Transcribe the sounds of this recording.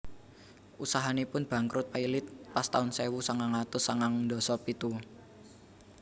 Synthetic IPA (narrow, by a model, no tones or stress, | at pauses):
ʔusaɦanepʊnb̥ä̤ŋkɾʊt̪̚pailɪt̪̚past̪aʊnsewusaŋaŋat̪ʊsaŋaŋd̪ɔ̤sɔpit̪u